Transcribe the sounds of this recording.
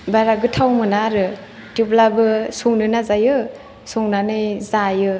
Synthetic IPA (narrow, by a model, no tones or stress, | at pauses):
baɾaɡɯtʰawmɯnaɾɯ | tiplabɯsuŋnɯnazajɯ | suŋnanɯjzajɯ